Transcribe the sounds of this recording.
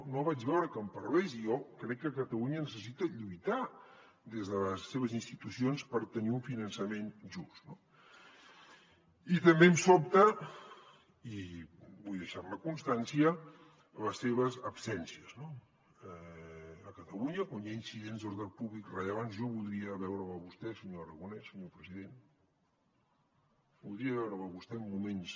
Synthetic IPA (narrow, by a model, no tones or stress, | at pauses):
noβad͡ʒβɛwɾəkəmpəɾβɛzijɔkɾɛkːəkət̪əluɲənəsəsit̪əʎujt̪a | d̪ezðələsːeβəzinst̪it̪usionspəɾt̪əniuɱfinənsəmenʒust̪no | it̪əmbemsɔp̚t̪ə | ibujðəʃaɾməkunst̪ansiəː | ləsːeβ̞əzəpsɛnsiəzno | ɛəkət̪əluɲəkuɲainsiðenzðoɾðəlˠpuβlikrəʎəβ̞anzʒɔβulˠd̪ɾiəβɛwɾəməβust̪ɛsəɲoəɾəɣunɛsəɲopɾəziðen | bulˠd̪ɾiəβɛwɾəməβust̪ɛəmːumens